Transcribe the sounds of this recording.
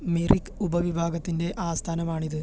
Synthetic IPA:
mirʔikːubɐʋibʱaːɡɐt̪ːinde̞ʔaːst̪ʰaːnɐmaːɳiðɨ

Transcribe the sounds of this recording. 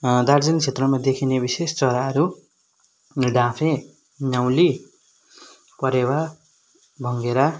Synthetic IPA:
d̪aɾd͡zʌnt͡sʰet̪rʌmad̪ekʰinebisest͡sʌɾaʌɾu | ɖʱãpʰẽ | naw̃li | pʌɾewa | bʱʌŋɡeɾa

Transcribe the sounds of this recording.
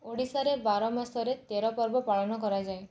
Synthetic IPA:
oɽisaɾebaɾɔmasɔɾet̪eɾɔpɔɾbɔpaɭɔnɔkɔɾad͡ʒae

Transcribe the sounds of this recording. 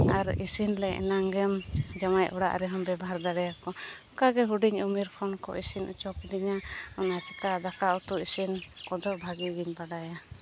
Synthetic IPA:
aɾḭsinlɛjɛ̰naŋɡɛmd͡ʒamajʔɔɽa̰ʔɾɛɦɔmbɛbaɦaɾd̪aɽɛjakɔ | kaɡɛɦuɖiɲumiɾkʰɔnkɔ̰isinʔṵt͡ʃɔpd̪iɲaɔnat͡ʃɛkad̪akaut̪uisinkɔd̪ɔbʱaɡiɡiɲbaɖaja

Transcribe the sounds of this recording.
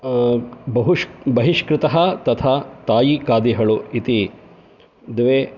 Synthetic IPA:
bɐɦubɐɦiʃkɾɪt̪ɐɦɐt̪ɐt̪ʰaːt̪aːjikaːd̪iɦɐɭuit̪i | d̪eʋeː

